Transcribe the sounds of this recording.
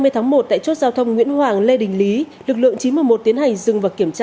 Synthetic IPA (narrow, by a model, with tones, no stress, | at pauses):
mɨ˧jt̪ʰaː˨˦ŋmo˨˩t̚t̪a̰ː˧˨t͡ɕo˦˥t̚zaː˧wt̪ʰə˧wŋ͡mŋḭ˧˥ənhwaː˨˩ŋle˧ɗï˨˩ŋ̟li˨˦ | lɨ˨˩k̚lɨ̰˧˨əŋt͡ɕi˨˦nmɨ˧əjmo˨˩t̚t̪i˨˦ənha˨˩jŋ̟zɨ˨˩ŋvaː˨˩ki˧˩əmt͡ɕaː˧